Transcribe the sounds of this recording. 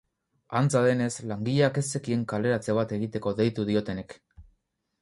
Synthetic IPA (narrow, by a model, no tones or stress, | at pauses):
ant͡saðe̞ne̞slaŋɡiʎake̞se̞kie̞ŋkale̞ɾat͡se̞β̞at̪e̞ɣit̪e̞ko̞ðe̞jt̪uðio̞t̪e̞nek